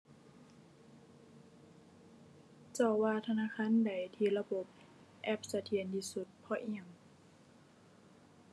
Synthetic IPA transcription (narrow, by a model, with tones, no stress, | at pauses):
t͡ɕɔː˧˩waː˧t̪ʰa˧naː˧˥˨kʰaː˧˥˨nda˨˩jt̪ʰiː˧˩la˧bo˧˦p̚ | ʔɛ˧˩p̚sa˧t̪ʰi˧˩ənt̪ʰiː˧˩su˧˦t̪̚pʰɔ˧˩ʔi˧˩əŋ